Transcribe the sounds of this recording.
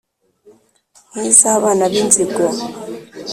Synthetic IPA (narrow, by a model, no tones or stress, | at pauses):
ŋisaβanaɓind͡zʱʼiɡɔ